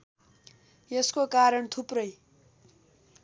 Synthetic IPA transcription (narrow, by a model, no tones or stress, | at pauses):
jeskokaɾʌɳt̪ʰuprʌj